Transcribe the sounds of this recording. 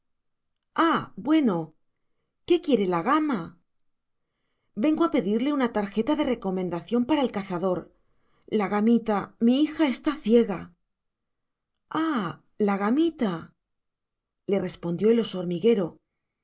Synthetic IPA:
abwe̞no̞ | ke̞kje̞ɾe̞laɣama | be̞ŋɡo̞ape̞ðiɾle̞unat̪aɾxe̞t̪aðe̞re̞ko̞mẽ̞nd̪aθjo̞mpaɾae̞lkaθaðo̞ɾ | laɣamit̪amiixae̞st̪aθje̞ɣa | a | laɣamit̪a | le̞re̞spo̞nd̪jo̞elo̞so̞ɾmiɣe̞ɾo̞

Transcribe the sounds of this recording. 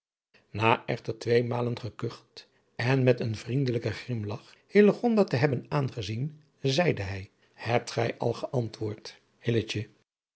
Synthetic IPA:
naːʔɛχtəɹtʋejmaːlənχəkɵχt | ɛnmɛtənvrindələkəχrɪmlɑχ | hɪləχɔndaːtəɦɛbənaːnχəzin | zɛjdəɦɛj | hɛp̚tχɛjʔɑ̰lˠχəʔɑntʋʊːɹt | hɪlət͡ʃə

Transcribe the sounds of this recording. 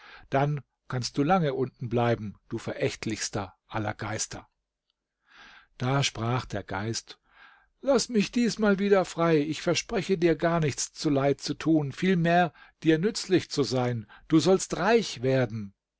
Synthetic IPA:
d̥an | kʰanst̚d̥uːlaŋəʔʊntn̩blaɪbm̩d̥uːfɛɐʔɛçtʰlɪçstɐʔalɐ̰ɡaɪstɐ̰ | d̥aːʃpʁ̥aːχd̥eːɐɡa̰ɪst | lasmɪçd̥iːsmaːlviːdɐfʁ̥aɪɪçfɛɐʃpʁ̥ɛçədiːɐɡaːɐnɪçt͡st͡sulaɪt̚t͡sutʰuːnfiːlmeːɐd̥iːɐnʏt͡slɪçt͡suzaɪnd̥uːzɔlstʁaɪçv̥eːɐdn̩

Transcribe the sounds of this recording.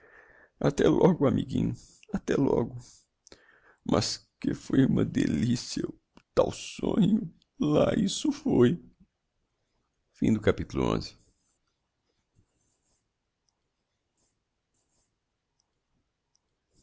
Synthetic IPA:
at̪ɛlʔɔɡʊamiɡĩɲʊ | at̪ɛlɔɡʊ | mʔɐskefojũmɐd̪elisiɐ | t̪awsõɲʊ | laisʊfoj | fĩd̪ʊkapit̪ulʊõ̰zɪ

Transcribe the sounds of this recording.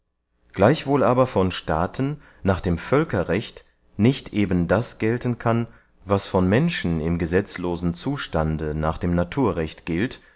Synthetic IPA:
ɡ̥laɪçv̥oːlʔaːbɐfɔnʃtaːtʰn̩ | naːχd̥eːmfœlkɐʁɛçt | nɪçtʔeːbən̩dasɡ̥ɛltənkʰan | vasfɔnmɛnʃn̩ɪmɡəzɛt͡sloːzn̩t͡suːʃtandənaːχd̥eːmnatʰuːɐʁɛçtɡ̥ɪlt

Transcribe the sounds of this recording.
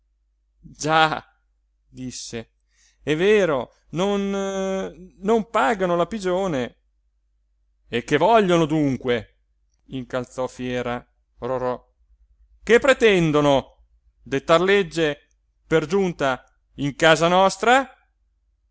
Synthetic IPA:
d͡ʒa | d̪isːe | ɛveːɾo | non | ompaːɡanolapid͡ʒoːne | ekːevɔʎːonod̪uŋkwe | iŋkalt̪sɔfjɛːɾa | roɾɔ | kepːɾet̪ɛnd̪ono | d̪et̪ːarled͡ʒːe | perd͡ʒunt̪a | iŋkaːzanɔst̪ɾa

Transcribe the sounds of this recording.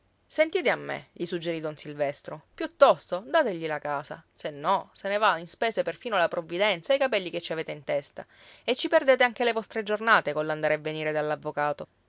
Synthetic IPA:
sent̪iːt̪eamːḛʎisud͡ʒːeɾid̪onsilvɛst̪ɾopjut̪ːɔst̪od̪aːt̪eʎilakaːsa̰senːɔsenevainspeːseperfiːnolapɾovːid̪ɛnt̪sajkapɛlːiket͡ʃːiaveːt̪eint̪ɛst̪a̰ | et͡ʃːiperd̪eːt̪eaŋk̟elevɔst̪ɾed͡ʒornaːt̪ekonland̪aːɾeavːeniːɾed̪alːavːokaːt̪o

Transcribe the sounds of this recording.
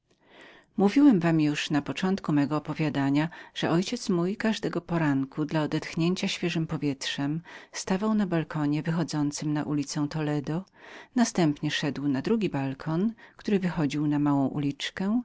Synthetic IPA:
muvʲiwɛmvamjuʂnapɔt͡ʂɔnt̪kumɛɡɔːpɔvʲjad̪aɲaʐ̥ɛʔɔjt͡ɕɛt̪smujkaʐd̪ɛɡɔpɔɾaŋkʰud̪laɔd̪ɛt̪xɲeɲt͡ɕaɕfʲjɛʐɘmpɔvʲjɛt̪ʂɛmst̪avawnabalkʰɔɲɛvɘxɔd̪zɔnt̪sɘmnaʔulʲit̪sɛw̃t̪ɔlɛd̪ɔnast̪ɛmpɲɛʂɛd̪wnad̪ɾuɡʲibalkʰɔnkt̪uɾɘvɘxɔd͡ʑiwnamawɔ̃w̃ʔṵlʲit͡ʂkɛ

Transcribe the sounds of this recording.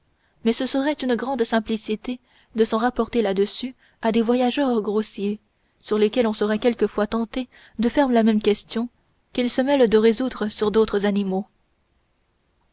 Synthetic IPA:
mɛsəsəʁɛt̪ynɡʁɑ̃d̪sɛ̃plisit̪e | d̪əsɑ̃ʁapɔʁt̪elad̪əsy | ad̪evwajaʒœʁɡʁosje | syʁlekʲɛlɔ̃sɔʁɛkʲɛlkəfwat̪ɑ̃t̪e | d̪əfɛʁlamɛmkʲɛst̪jɔ̃ | kʲilsəmɛld̪əʁezud̪ʁəsyʁd̪ot̪χəzanimo

